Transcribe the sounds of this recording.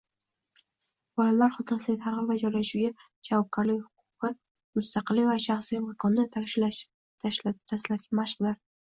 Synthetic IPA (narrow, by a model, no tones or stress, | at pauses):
bɒlalaɾχɒt̪ʰɨlsɪt̪ʰaɾʁɨpvad͡ʒɒɾlaʃuɡʲa | d͡ʒavɒp̚kʰaɾlɪkʲhʊ̥qʰʊqɨ | mʊst̪ʰɑqɨlːɪvaʃaχsijmakʰɒnːɪʃ | ʃt̪ʰaslat̪̚ɡʲamaʃqd̪aɾ